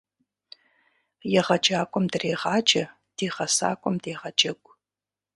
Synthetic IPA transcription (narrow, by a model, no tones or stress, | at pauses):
jɛʁɐd͡ʒaːkʷʼɔmdɨreːʁɑːd͡ʒɐ | d̥iːʁɐsa̰ːkʷʼɔmdeːʁɐd͡ʒɐɡʷʼ